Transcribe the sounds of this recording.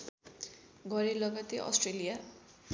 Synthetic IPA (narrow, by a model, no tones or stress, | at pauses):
ɡʌɾelʌɡat̪eʔʌ̰sʈrelija